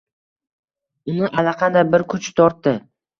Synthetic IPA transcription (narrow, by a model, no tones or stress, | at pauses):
ʊnɪʔalaqʰɑnd̪ajbɪɾkʰʊt͡ʃt̪ʰɒɾt̪ːɪ